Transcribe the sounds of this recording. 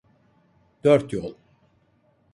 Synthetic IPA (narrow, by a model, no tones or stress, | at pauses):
d̪̥øɾt̪jɔlˠ